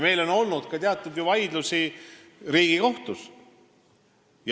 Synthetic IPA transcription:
me̞jlo̞no̞lnud̪̥kɑt̪eɑt̪ːˑud̪juvɑjd̪lusi | ɾiːɡ̥iko̞ht̪us | j

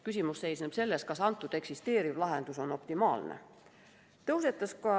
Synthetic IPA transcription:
kysʲimusːe̞jsnepse̞lːeskɑsɑnt̪ːˑud̪̥e̞ksist̪e̞ːɾivlɑɦend̪̥uso̞no̞pt̪imɑːlnḛ | t̪ɤwse̞t̪ːˑɑskɑ

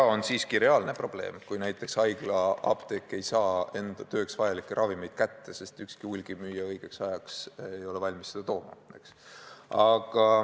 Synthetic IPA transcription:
ɑo̞nsiːskiɾe̞ɑlne̞pro̞b̥le̞̰ːmkujnæjt̪ːˑe̞ksɑjɡ̥lɑɑ̰b̥t̪e̞kːˑe̞jsɑːe̞nd̪̥ɑt̪ø̞ːksvɑjɑlikːˑeɾʔɑvime̞jd̪̥̚kæt̪ːe̞se̞st̪ykskiulʲɡ̥imyːjːɑɤjɡ̥e̞ksɑjɑksejo̞levɑlʲmisːed̪̥ɑt̪o̞ːmɑ̰neksɑɡ̥ɑ

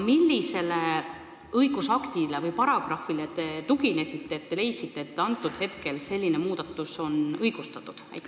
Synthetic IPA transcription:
milʲːise̞le̞ | ɤjɡ̥usɑkt̪ile̞vɤjpɑɾɑɡ̥rɑfilet̪e̞t̪uɡine̞sʲit̪ːeːt̪̚ːe̞le̞jt̪sit̪ːˑeːt̪ːɑnt̪ːˑud̪̥he̞t̪ke̞lse̞lʲːine̞muːd̪̥ɑt̪ːˑuso̞nɤjɡ̥ust̪ɑt̪ːˑud̪̥æ̰jkː

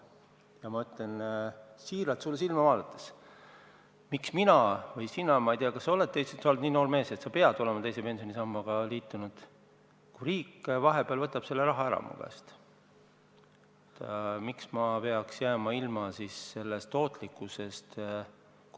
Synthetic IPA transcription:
jɑmɑyt̪le̞nsiːɾɑt̪sulːesilmɑvɑːd̪ɑt̪ːˑe̥s | miksminɑvɤjsinɑmɑijt̪eɑkɑsːɑolet̪t̪ːejsesɑolt̪niːno̞ːɾme̞ːset̪sɑpe̞ɑd̪ole̞mɑt̪e̞jse̞pe̞nsionʲisɑmːɑɡ̥ɑliːt̪ːˑunud̪̥ | kuɾiːkːˑvɑɦe̞b̥eɑlvɤt̪ːˑɑb̥se̞lːe̞ɾɑɦɑæɾɑ̰mṵɡ̥æ̰st̪ | t̪ːmiksmɑpe̞ɑksjæːmɑilmɑsisːe̞lːest̪ːo̞ːt̪ˑlikːˑuse̞st̪ | k

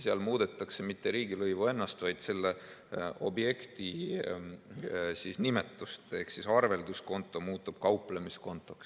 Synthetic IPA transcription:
seɑlmuːd̪e̞t̪ːˑɑkse̞mit̪ːe̞ɾiːɡilɤjvue̞nːɑst̪vɑjd̪̥se̞lːe̞ʔo̞̰bje̞kt̪i | sisnime̞t̪ːˑust̪e̞hksisɑrve̞ld̪usko̞nt̪ːˑo̞muːt̪ːˑub̥kɑwplemisko̞nt̪ːˑo̞ks

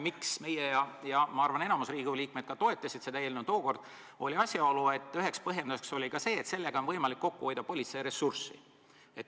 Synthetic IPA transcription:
miksme̞jejɑjɑmɑɑrvɑne̞nɑmusriːɡ̥uliːk̚me̞d̪̥̚kɑt̪o̞e̞t̪ːˑɑsʲid̪̥sed̪ɑeːlinut̪oːko̞rd̪̥ | o̞lʲiɑsʲjɑo̞lue̞t̪ːˑyɦe̞kspɤɦjend̪use̞kso̞lʲikɑse̞ːt̪se̞lːeɡ̥ɑo̞nvɤjmɑlikːo̞kːuojd̪̥ɑpo̞lʲːit̪sejɾe̞sursḭ | et̪

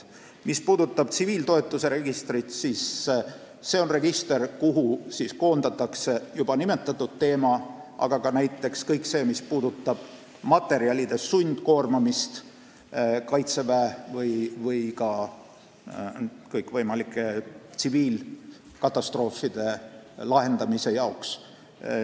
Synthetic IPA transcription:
mispuːd̪ut̪ːˑɑb̥t̪siviːlt̪o̞e̞t̪ːˑuse̞ɾe̞ɡist̪ɾit̪siːs | se̞ːo̞nre̞ɡ̥ist̪e̞rkuɦusisko̞ːnd̪̥ɑt̪ːˑɑkse̞jub̥ɑnime̞t̪ːˑɑt̪ːˑud̪̥̚t̪ːe̞ːmɑʔɑ̰ɡ̥ɑkɑnæjt̪ːˑe̞kskɤjkse̞ːmispuːd̪ut̪ːˑɑb̥ | mɑt̪ːˑe̞ɾiɑlʲid̪̥e̞sunʲd̪̥ko̞ːrmɑmist̪ | kɑjt̪se̞væevɤjvɯjkɑ | kɤjkvɤjmɑlikːˑe̞t̪siviːl | kɑt̪ˑːɑst̪ro̞ːfːid̪̥e̞lɑɦe̞nd̪̥ɑmise̞jɑoks

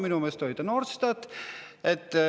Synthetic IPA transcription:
minumest̪oit̪ɑnorst̪ɑt̪ | et̪ː

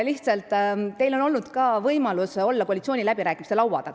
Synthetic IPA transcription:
liht̪sɑlt̪ˑːe̞jlo̞no̞lnud̪̥kɑːvɤjmɑluso̞lːɑkoɑlit̪sʲio̞ːnilæbiɾæːkˑimiselɑwwɑ̰d̪̥ɑ

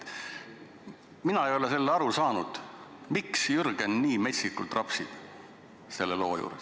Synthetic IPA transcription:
minɑejo̞le̞se̞lːeɑɾusɑːnud̪̥miksjyrɡ̥enːiːme̞sʲik̪ːˑult̪rɑpsi̥ | se̞lːelo̞ːjṵːɾes

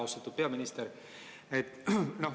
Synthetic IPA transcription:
ɑwst̪ɑt̪ːˑud̪̥̚pe̞ɑminist̪eɾ | et̪ːno

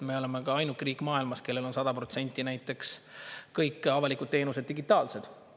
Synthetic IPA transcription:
me̞o̞leme̞kɑɑjnukːriːkmɑːilmɑske̞lːe̞lo̞nsɑd̪̥ɑpro̞t̪se̞nʲt̪ʲːˑinæjt̪ːˑe̞kskɤjkːˑɑvɑlikˑud̪̚t̪e̞ːnused̪ːiɡit̪ːˑɑːlse̞d̪̥

